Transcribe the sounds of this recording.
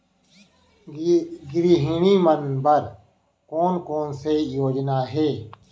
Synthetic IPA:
ɡɾiːɦiɳiːmənbəɾ | koːnkoːnsejoːd͡ʒnaːɦeː

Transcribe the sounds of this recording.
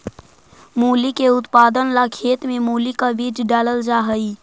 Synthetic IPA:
muːlikeʊt̪paːd̪ənlakʰeːt̪mẽmuːlikaʋid͡ʒɖaːləld͡ʒaɦəi

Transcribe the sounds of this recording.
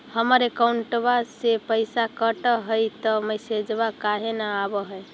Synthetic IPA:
həməɾekauɳʈbasepəjsakəʈəɦəjt̪ɔməjsed͡ʒbakaɦenaːbəɦəj

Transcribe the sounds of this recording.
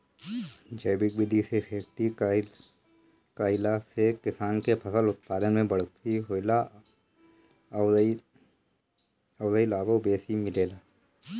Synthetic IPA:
d͡ʒɐːbɪk̚bɪd̪isepʰeːkt̪i | kaːɪlasekɪsaːnkepʰɐsəlʊt̪̚paːd̪ənmẽbɐɽ̤t̪iɦoːla | ɐʊzəilaːbobeːsimɪleːlaː

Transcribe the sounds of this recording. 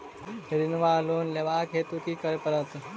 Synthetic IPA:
heɾinʋaːloːnleʋaːkɦet̪ukikəɾpɐɾɐt̪

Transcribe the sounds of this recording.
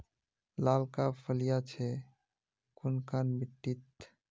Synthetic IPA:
laːlkapʰəlijat͡ʃʰɛ | kʊnkanbiʈːit̪

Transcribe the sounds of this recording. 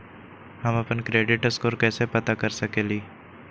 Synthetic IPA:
hɐmɐpənkɾeːɖɪʈəskoːɾkɛːsepɐt̪akəɾsəkeːliː

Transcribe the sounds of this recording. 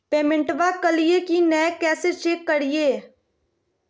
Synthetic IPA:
peːmɪ̃ɳʈʋakəlijekinɛkɛːset͡ʃeːkːəɽijeː

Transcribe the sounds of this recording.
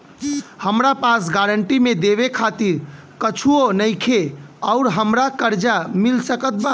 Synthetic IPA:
həmɾapasɡaɾəɳʈimed̪eβekʰat̪iɾ | kət͡ʃʰuonəɪkʰeəʊɾɦəmɾakəɾd͡ʒamilsəkət̪̚ba

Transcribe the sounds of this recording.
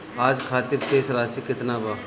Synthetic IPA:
aːd͡ʒkʰaːt̪ɪɾʃeːsɾaːsikɪt̪nabaː

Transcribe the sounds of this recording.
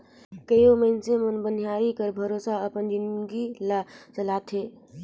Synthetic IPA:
kəjoməɪnsemənbənijaːɾikəɾbʱəɾoːsaəpənd͡ʒinɡilat͡ʃəlaːt̪ʰɦeː

